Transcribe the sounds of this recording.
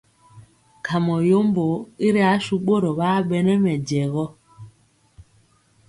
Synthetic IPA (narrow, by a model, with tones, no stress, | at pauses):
kʰa˨mɔ˨jo˦mbo˨i˦ɾi˦a˨˦ʃu˦ɓo˦ɾɔ˨ɓa˦ɓɛ˦nɛ˦mɛ˨d͡ʒɛ˨ɣɔ˦